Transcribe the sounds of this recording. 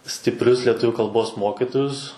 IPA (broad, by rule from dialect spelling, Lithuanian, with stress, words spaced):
sʲtʲɪpʲˈrʲʊs lʲiɛˈtʊʋʲʊ kɐlˠˈboːs ˈmoːkʲɪtoːjʊs